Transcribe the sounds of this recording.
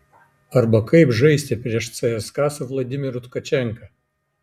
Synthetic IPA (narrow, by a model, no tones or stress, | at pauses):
ɐɾbɐkɐɪpʒɐɪsʲt̪ʲɛpʲɾʲiɛʃt̪sɛɛskɑːsʊʋlˠɐd̪ʲɪmʲɪɾʊt̪kɐt͡ʃʲɛŋkɐ